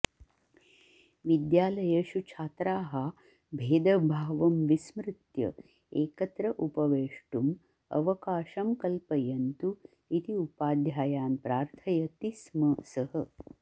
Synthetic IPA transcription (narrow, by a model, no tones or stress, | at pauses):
ʋid̪jaːlɐjɐʃut͡ʃʰaːt̪ɾaːɦɐ | bʱeːd̪ɐbʱaːʋɐmʋismɾɪt̪jɐ̰ | eːkɐt̪ɾɐʔupɐʋeːʂʈum | ɐ̰ʋɐkaːʃɐmkɐlpɐjɐnt̪u | it̪iupaːd̪jaːjaːnpɾaːɾt̪ʰɐjɐt̪ismɐsɐhɐ